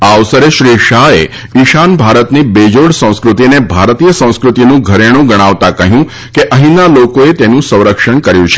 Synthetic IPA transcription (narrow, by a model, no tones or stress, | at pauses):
aʋsəɾeʃɾiʃae | iʃanbʱaɾət̪nibed͡ʒoɽsə̃w̃skɾut̪inebʱaɾt̪ijəsə̃w̃skɾut̪inũɡʱəɾeɽ̃ũɡəɽ̃aʋt̪akəɦjũ | keʔəɦĩnalokoet̪enũsə̃w̃ɾəkʃəɳkəɾjũt͡ʃʰe̥